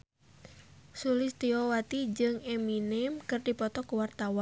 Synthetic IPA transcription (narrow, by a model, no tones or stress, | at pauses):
sulɪst̪iɔwat̪id͡ʒɨŋɛminɛmkɨrdipɔt̪ɔkuwart̪awan